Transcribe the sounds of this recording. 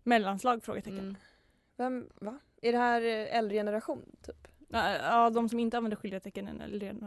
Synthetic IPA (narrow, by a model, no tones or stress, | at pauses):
mɛlːanslɑːɡfɾo̰ːɡət̪ʰɛkːən | vɛmva | æɖɛhæːɾɛld̪ɾəjɛnəɾaɧuːnt̪ʰyːpː | ɑːd̪ɔmsɔmɪnt̪əanvɛnd̪əɧʏlɪhet̪ɛkːənɛ̰nɛ̰lɾɛn